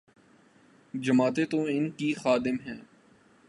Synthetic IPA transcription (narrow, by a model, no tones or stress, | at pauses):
d͡ʒɐmaːt̪et̪oɪnkixaːd̪ɪmɦɛ̃ː